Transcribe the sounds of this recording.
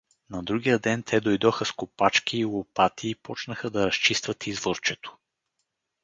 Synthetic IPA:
nɐd̪ɾuɡʲijəd̪ɛnt̪ʰɛd̪ojd̪ɔxəskopat͡ʃkiːlˠopat̪ʰiːpɔt͡ʃnəxəd̪ɐɾɐst͡ʃist̪vət̪ʰizvoɾt͡ʃɛt̪o̥

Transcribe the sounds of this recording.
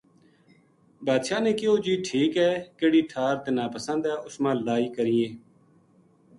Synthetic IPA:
baːd̪ʃaːnẽːkɪoːd͡ʒiːʈʰiːkɦɛːkeːɽiːʈʰaːɾt̪enaːpəsə̃nd̪ɛːʔʊsmãːlaːiːkəɾiːẽː

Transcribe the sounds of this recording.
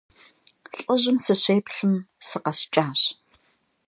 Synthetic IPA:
ɬʼɐʑɪmsɨɕʷeːpɬɨmsɨqɐst͡ʃʼaːɕ

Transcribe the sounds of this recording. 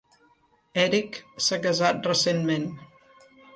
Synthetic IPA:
ɛɾiksakəzat̪̚rəsenmen

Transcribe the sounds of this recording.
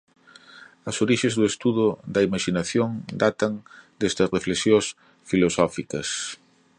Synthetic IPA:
ɐsoɾiʃezðʊest̪uðʊd̪ɐimaʃinaθjoŋd̪at̪ɐŋd̪est̪ɐsreflesjos | filosɔfikɐs

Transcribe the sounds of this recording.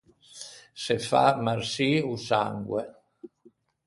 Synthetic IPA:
sefa̰maɾsiusaŋɡwe

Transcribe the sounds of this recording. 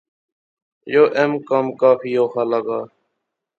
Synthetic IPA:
joːʔemkəmkaːfiːjoːxaːlaɡaː

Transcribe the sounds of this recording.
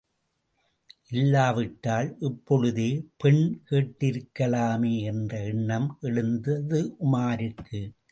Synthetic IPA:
ʔɪlːaːʋɪʈːaːlʔɛpːɔɻɯðeːpɛɳkeːʈːɪɾɯkːɐlaːmeːɛndrɐɛɳːɐmʔɛɻɯnd̪ɐðɯʔʊmaːɾɪkːɯ

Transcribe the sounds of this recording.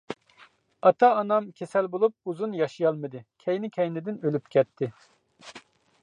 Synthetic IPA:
ɑt̪ʰɑːnɑmkʲʰesɛlbolˠup̚uzunjɑʃijɑlˠmɨd̪ɨkʲʰɛjnɪkʲʰɛjnɪd̪ɪnølypkʲʰɛt̪ʰːɪ

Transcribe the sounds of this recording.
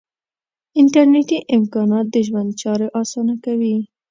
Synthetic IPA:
ɪnʈaɾneʈiʔɪmkɑnɑt̪̚d̪əʒwand̪̚t͡ʃɑɾoʔɑsɑnakawi

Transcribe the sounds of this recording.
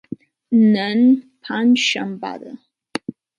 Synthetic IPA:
nənpʰanʃamba̰də̰

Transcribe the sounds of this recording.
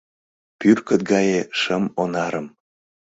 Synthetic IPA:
pyrkət̪̚ɡɑjeʃəmonɑɾəm

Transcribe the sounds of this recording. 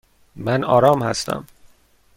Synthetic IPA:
mænɒːɾɒːmhæ̰st̪ʰæ̰m

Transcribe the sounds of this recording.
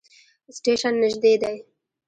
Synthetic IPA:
sʈeʃanːɪʒd̪ed̪aj

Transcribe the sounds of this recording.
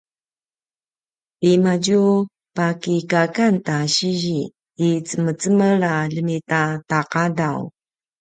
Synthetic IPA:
pimaɟu | pakikakantaɕiʑiː | t͡səmət͡səməɾaləmitataqadaw

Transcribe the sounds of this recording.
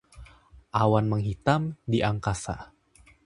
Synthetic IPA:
ʔawanməŋɦit̪amdiʔaŋkasa̰

